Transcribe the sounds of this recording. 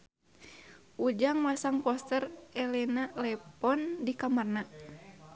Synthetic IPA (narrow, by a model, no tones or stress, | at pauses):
ʔud͡ʒaŋmasaŋpɔst̪ərɛlɛnalɛpɔndikamarna